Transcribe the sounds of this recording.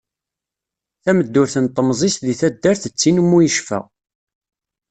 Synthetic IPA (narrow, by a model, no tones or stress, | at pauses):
θæməd̪ːʊɾθənt̪ˤːəmzˤist̪ðiθæd̪ːæɾθət͡sːinmːujəʃfæ̰ʁ